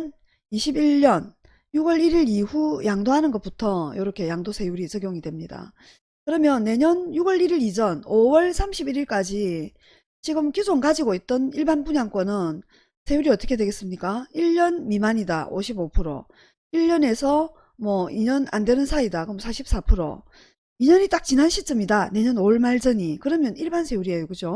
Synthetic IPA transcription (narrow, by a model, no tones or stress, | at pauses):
n | iɕʰibiɭːʌn | juɡwʌɾiɾiɾiɸujaŋdoɦanɯnɡʌt̚putʰʌjʌɾʌkʰe̞jaŋdosʰe̞juɾisʌɡjoŋidwe̞mɲida̰ | kɯɾʌmjʌnːe̞ɲʌnjuɡwʌɾiɾiɾid͡ʑʌnowʌɭsʰamɕʰibiɾiɭk͈ad͡ʑi | t͡ɕiɡɯmkjisʰoŋkad͡ʑiɡoit̚t͈ʌniɭbanbuɲaŋk͈ʌnɯn | sʰe̞juɾiʌt͈ʌkʰe̞dwe̞ɡe̞s͈ɯmɲik͈aiʎːʌnmimaɲida̰ʔoɕʰibopʰuɾo̰ | iʎːʌne̞sʰʌ | mwʌiɲʌna̰ndwe̞nɯnsʰaidakɯmʌsʰaɕʰip̚s͈apʰɯɾo̰ | iɲʌɲit͈ak̚t͡ɕinanɕʰit͡ɕ͈ɯmidane̞ɲʌnoɭmaɭd͡ʑʌɲikɯɾʌmjʌniɭbansʰe̞juɾiaoɡud͡ʑo